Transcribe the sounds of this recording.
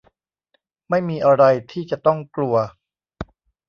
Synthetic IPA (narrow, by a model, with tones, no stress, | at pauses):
ma˥˩jmiː˧ʔa˧ɾa˧jt̪ʰiː˥˩t͡ɕa˨˩t̪ɔ˥˩ŋklu˧ɐ